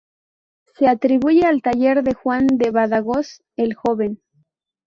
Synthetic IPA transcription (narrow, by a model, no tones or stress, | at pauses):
se̞at̪ɾiβuʝe̞alt̪aʝe̞ɾðe̞xwand̪e̞βaðaɣo̞s | elxo̞βe̞n